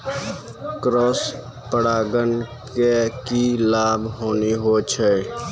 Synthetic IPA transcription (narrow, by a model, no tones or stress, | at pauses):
kɾos | pəɽaːɡənkekilaːbʱɦoːniɦot͡ʃʰɛ